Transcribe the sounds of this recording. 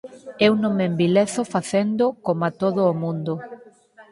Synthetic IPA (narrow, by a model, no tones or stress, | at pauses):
ɛwnõmembileθofaθend̪okomat̪oðʊːmũnd̪o